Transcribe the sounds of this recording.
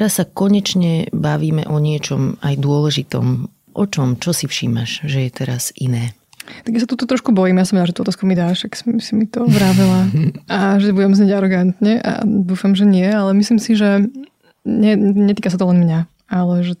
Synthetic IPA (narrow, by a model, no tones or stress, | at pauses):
t̪ɾasːakɔɲɛt͡ʃɲɛbaʋiːmɛ̰ʔɔɲɪɛt͡ʃɔmajd̪ʊɔlɛʒit̪ɔ̰m | ʔɔt͡ʃɔmt͡ʃɔsifʃimaʃʒɛjɛt̪ɛɾaz̥ʔinɛː | t̪aɡjasat̪uːt̪ɔt̪ɾɔʃkubɔjiːmjas̬ɔmadaʒɛt̪uːɔt̪aːskumid̪aʃaksɔmsimit̪ɔʋɾaʋɛlaaʒɛbuɟɛmzɲeɟaɾɔɡant̪ɲɛʔa̰d̪uːfamʒɛɲɪɛalɛmislimsiʒɛ | ɲɛɲɛt̪iːkas̬at̪ɔlɛnmɲa | alɛʒɛ